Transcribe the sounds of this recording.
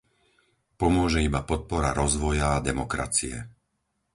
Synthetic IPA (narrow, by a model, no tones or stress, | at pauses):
pɔmʊɔʒɛibapɔt̪̚pɔɾaɾɔzʋɔjaːd̪ɛmɔkɾa̰t͡siɛ